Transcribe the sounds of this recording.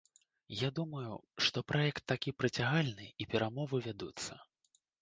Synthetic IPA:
jad̪umɐjṵʂt̪ɔpɾʔajɛkt̪ːakʲipɾɐt͡sʲaɣalʲnɨipʲɛɾamɔvɨvʲad̪ut̪sːɐ̰

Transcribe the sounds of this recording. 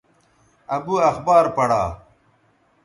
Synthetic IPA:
ɐbuɐxbaːɾpɐɽa̰ː

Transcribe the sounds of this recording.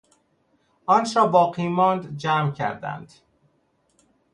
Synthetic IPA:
ʔɒːnʃɒːbɒːqiːmɒːnd̪d͡ʒæːmcʰæ̰ɾd̪æ̰nd̪̥

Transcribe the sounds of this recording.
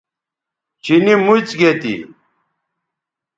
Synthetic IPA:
t͡ɕinimut͡sɡet̪ḭ

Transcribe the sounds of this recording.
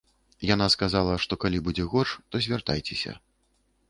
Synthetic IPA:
jan̪askazalˠɐʂt̪ɔkalʲibud͡zʲɛɣɔt͡ʂt̪ɔzʲvʲart̪ajt͡sʲɛsʲɐ̰

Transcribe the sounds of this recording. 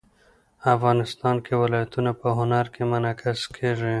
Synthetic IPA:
afɣɑnɪst̪ɑːnkewɪlɑjat̪unapəɦʊnaɾkemʊnakʰɪskʰeʐi

